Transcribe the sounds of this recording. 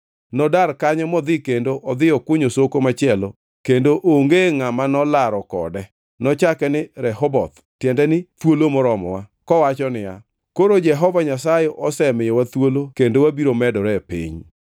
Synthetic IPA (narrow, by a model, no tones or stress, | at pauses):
nɔdarkaɲɔmɔd̪ɪkendoʔɔd̪ɪjɔkʊɲosokomat͡ʃɪɛlo | kendoʔoŋɡeŋamanɔlaɾɔkɔ̰dɛ | nɔt͡ʃakɛnɪɾɛɦɔbɔt̪ | tjɛndɛnɪt̪wolomɔɾɔmɔwakɔwat͡ʃɔnɪja | koɾod͡ʒɛɦɔvaɲasajɛʔɔsɛmɪjɔwat̪wolokendowabiɾomɛdɔɾɛpḭɲ